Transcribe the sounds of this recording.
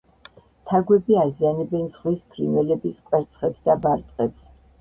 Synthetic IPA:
t̪ʰaɡwɛbiazianɛbɛnsχwispʰɾḭnɛlɛbiskʼwɛɾt̪sʰχɛpsd̪abaɾt̪ʼqʼɛps

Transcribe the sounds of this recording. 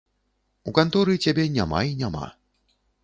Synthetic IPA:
ukant̪ɔɾɨt͡sʲabʲɛnʲama̰inʲama̰

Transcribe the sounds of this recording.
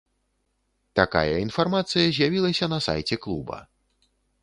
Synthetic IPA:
t̪aka̰jɐinfarmat̪sɨjɐzʲjavʲilˠɐsʲɐnɐsa̰jt͡sʲɛklˠubɐ̰

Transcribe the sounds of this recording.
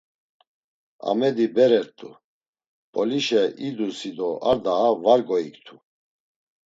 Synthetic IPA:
a̰mɛd̪ibɛɾɛɾt̪ʼu | pʼɔliʃɛʔid̪usid̪ɔaɾd̪aːvaɾɡɔikt̪ʰu

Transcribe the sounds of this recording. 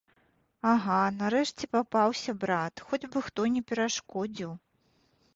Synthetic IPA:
aɣanaɾɛʂt͡sʲɛpapawsʲɐbɾat̪xɔd͡zʲbɨxt̪ɔnʲɛpʲɛɾaʂkɔd͡zʲiw

